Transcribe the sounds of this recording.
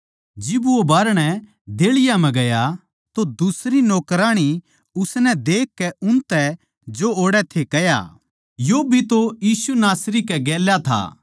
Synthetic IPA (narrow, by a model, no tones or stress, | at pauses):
d͡ʒɪbobaːɾɽ̃ɛ | d̪eːɭɪjamɛ̃ɡɐja | t̪od̪ʊsɾinɔːkɾaːɽ̃i | ʊsnɛd̪eːkːɛʊnt̪ɛ | d͡ʒooːɽɛt̪ʰekɐja̰ː | jobʱit̪ojiːsunaːsɾikɛɡɛːljat̪ʰa̰ː